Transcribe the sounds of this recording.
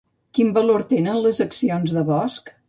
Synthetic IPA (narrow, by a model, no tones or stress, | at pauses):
kimbəloɾt̪enənləzəksionzðəβɔsk